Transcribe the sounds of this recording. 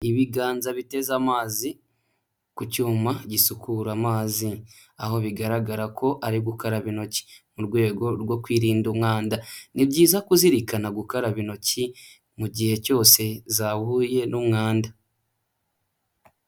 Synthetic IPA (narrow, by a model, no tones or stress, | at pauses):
iβiɡaːnzaβite̞zamaːzi | kucuːmaɟisukuɾamaːzi | aho̞βiɡaɾaɡaɾakʰo̞ʔaɾiɡukaɾaβino̞ci̥muɾɡwe̞ːɡo̞ɾɡwo̞kwiːɾiːndumŋaːndanibɟiːzakuziɾikanaɡukaɾaβino̞ci | muɟihe̞co̞ːse̞zaβuːje̞numŋaːnda